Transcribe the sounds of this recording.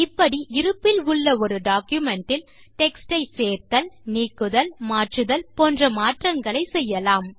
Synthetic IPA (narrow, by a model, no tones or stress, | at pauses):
ɪpːɐɽiʔɪɾɯpːɪlʊɭːɐɔɾɯɖaːkjʊmɛɳʈɪl | ʈɛksʈɐɪseːɾt̪ɐlniːkːɯðɐlmaːʈrɯðɐlpoːndrɐmaːʈrɐŋɡɐɭɐɪsɛjːɐlaːm